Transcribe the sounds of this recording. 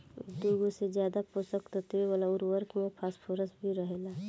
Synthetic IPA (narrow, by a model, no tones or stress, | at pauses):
d̪uːɡosed͡ʒjaːd̪aposəkt̪ot̪eeʋalaʊɾʋəɾkmẽpʰaːspʰoːɾəsbʱiɾəɦeːla